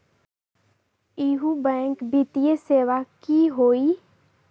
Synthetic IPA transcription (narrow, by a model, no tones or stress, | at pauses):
iːɦubɛ̃ːŋkbit̪ijeseːʋakiɦoːi